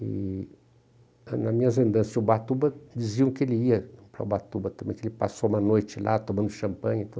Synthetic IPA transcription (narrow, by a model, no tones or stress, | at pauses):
ɪ̰ | nɐmĩɲɐzɐ̃nd̪ɐ̃sɪzʊbat̪ubɐd͡ʒiziɐ̃kɪelɪiɐpɾɐʊbat̪ubɐt̪ɐ̃mbẽj̃kelɪpasoũmɐnojt͡ʃɪlʔa̰t̪omɐ̃nd̪ʊʃɐ̃mpɐ̃ɲit̪u